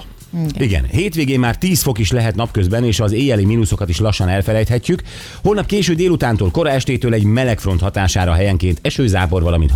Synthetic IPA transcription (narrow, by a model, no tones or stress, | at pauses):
iɡɛ̰nheːt̪ʋeːɡeːmːaːrt̪iːsfo̞kiʃlɛɦɛt̪nɒpkøzbɛneːʃɒzeːjɛliminuso̞kɒt̪iʃlɒʃːɒnɛlfɛlɛjt̪hɛcːyk | ho̞lnɒp̚keːʃøːd̪eːlut̪aːnt̪oːlko̞ɾɒɛʃt̪eːt̪øːlɛɟmɛlɛkfro̞nt̪hɒt̪aːʃaːɾɒɦɛjɛŋkeːnt̪ɛʃøːzaːpo̞rvɒlɒmḭnt̪